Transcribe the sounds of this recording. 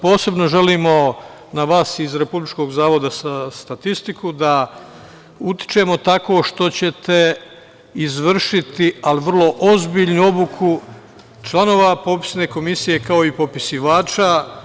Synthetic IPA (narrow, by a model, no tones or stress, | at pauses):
po̞ːse̞bno̞ʒe̞liːmo̞ | naʋaːsizɾe̞publit͡ʃko̞ːɡzaːʋo̞d̪asast̪at̪ist̪ikud̪a | ut̪i̥t͡ʃe̞mo̞t̪ako̞ːʃt̪o̞t͡ɕe̞t̪e̞ | izʋr̩ʃit̪ialiʋr̩lˠo̞ʔozbiʎnuo̞bukʰu | t͡ʃlˠano̞ːʋapo̞pi̥sne̞ko̞misije̞kao̞ipo̞pisiʋaːt͡ʃa